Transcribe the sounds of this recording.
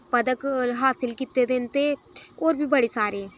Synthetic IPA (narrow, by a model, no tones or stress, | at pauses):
pəd̪əkɦaːsɪlkit̪ed̪eːnt̪eː | oːɾbʱiːbəɽeːsaːɾeː